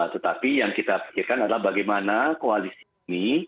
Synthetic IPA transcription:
t̪ət̪apijaŋkit̪api̥kirkanadalahbaɡajmanakoalisi | ni

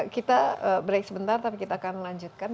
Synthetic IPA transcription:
kit̪aəbɾajksəbənt̪art̪apikit̪aːkanlaɲd͡ʒut̪̚kan

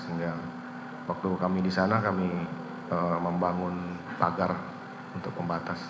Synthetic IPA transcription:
iŋɡa | wak̚t̪ukamidisanakami | əməmbaŋʊnpaɡar | unt̪ʊk̚məmbat̪as

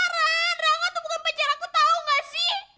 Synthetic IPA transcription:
ɾanraŋat̪ubukanpaɲd͡ʒaɾakut̪auŋɡasɪh

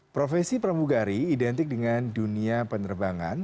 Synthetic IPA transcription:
pɾofɛsipɾəmuɡaɾiːdɛnt̪ɪk̚dəŋanduniapənərbaŋa̰n

